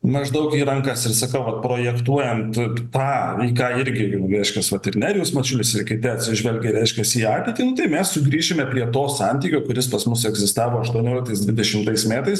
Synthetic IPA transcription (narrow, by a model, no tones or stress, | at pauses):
mɐʒd̪ɐʊkiːɾɐŋkɑsɪɾsɐkɐʊʋɐt̪̚pɾoːjɛkt̪uɔjɛnt̪t̪ɑːiːkɑːɪɾʲɡʲɪɾʲɛɪʃʲkʲɛsʋɐt̪ɪɾnʲæːɾʲɪjusmɐt͡ʃʲʊlʲɪsɪɾkʲɪtt̪ʲɛɐt̪ʲsʲɪʒʲʋʲɛlʲɡʲɛɾʲɛɪʃʲkʲɛsiːɑːtʲeɪt̪ʲiːnʊt̪ɐɪmʲɛssʊɡɾʲiːʒʲɪmʲɛpʲɾʲiɛt̪oːsɑnʲt̪ʲiːkʲoːkʊɾʲɪspɐsmʊsɛɡzʲɪst̪ɑːʋoːɐʃt̪uɔnʲoːlʲkt̪ɐɪsd̪ʋʲɪd̪ʲɛʃʲɪmt̪ɐɪsmʲæːt̪ɐɪs